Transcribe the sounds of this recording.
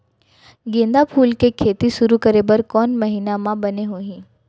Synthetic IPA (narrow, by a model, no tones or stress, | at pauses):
ɡẽːnd̪apʰuːlkekʰeːt̪iʃʊɾukəɾebəɾkɔːnmɐɦiːnamãbɐneɦoːɦĩː